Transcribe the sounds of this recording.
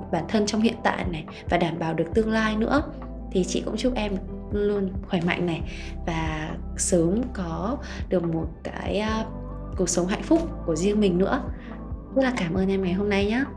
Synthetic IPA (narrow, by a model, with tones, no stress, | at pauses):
ɓaː˧˩nt̪ʰə˧nt͡ɕɔ˧wŋ͡mhḭ˧˨ənt̪a̰ː˧˨jna˨˩j | vaː˨˩ɗaː˧˩mɓaː˨˩wɗɨ˨˩ək̚t̪ɨ˧əŋlaː˧jnɨ̰˧˥ə | t̪ʰi˨˩t͡ɕḭ˧˨kʊ̰˧˥ŋ͡mt͡ɕu˦˥p̚ʔɛ˧m | lu˧ənxwɛː˧˩ma̰˧˨jŋna˨˩j | vaː˨˩ | səː˨˦mkɔ˨˦ | ɗɨ˨˩ək̚mo˨˩t̚ka̰ː˨˦j | ku˨˩ək̚sə˨˦wɦa̰˧˨jŋ̟fʊ˦˥k͡p̚ku˧˩əzi˧əŋmï˨˩ŋnɨ̰˧˥ə | zə˦˥t̚laː˨˩kaː˧˩mʔəː˧nʔɛ˧mŋa˨˩jɦo˧mna˧jɲaː˨˦